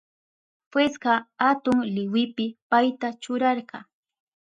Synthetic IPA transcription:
pwesɢɑhat̪ʊŋlɪwɪpɪpajt̪at͡ʃʊɾɑɾɢɑ

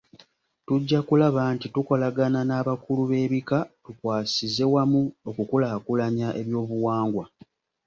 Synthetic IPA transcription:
tuɟːakulaβantituko̞laɡananaːβakuluβe̞ːβikatukwaːsize̞wamuokukulakulaɲaʔe̞βjo̞ːβuwaːŋɡwa

